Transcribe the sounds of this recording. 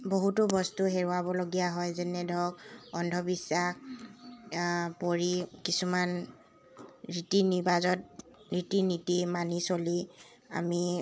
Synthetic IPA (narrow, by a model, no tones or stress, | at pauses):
boɦutʊbɔstʊɦeɹʊabɔloɡijaɦɔjzɛnɛdʱɔkɔndʱɔbisːax | poɹikisuman | ɹitinibazɔt̚ɹitinitimanisoli | a̰mi